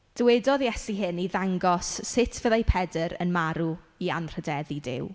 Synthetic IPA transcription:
d̥əwedɔðjɛsiɦɨniðaŋɡɔsːɪtʰvəðajpʰɛdəɾə̰nmaɾu | ianr̥ədɛðidɪ̰w

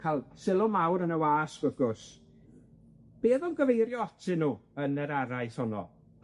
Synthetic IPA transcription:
kʰalˠsɪlˠʊmawɾənəwaːsɡ̥əɡʊs | b̥eːðɔmɡəvejɾjɔɔtʰɪnuːənəɾaɾaɨshɔnɔ̰

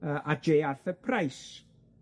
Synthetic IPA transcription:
əːʔad͡ʒeːarθəpʰrajs

